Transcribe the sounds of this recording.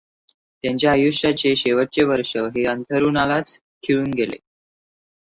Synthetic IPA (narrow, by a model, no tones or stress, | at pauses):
t̪jaɲt͡ɕjaəjuʂat͡ɕeɕeʋəʈ̚t͡ɕeʋəɾʂəɦeənt̪ʰəɾunalat͡s | kʰiɭuːnɡʱelḛ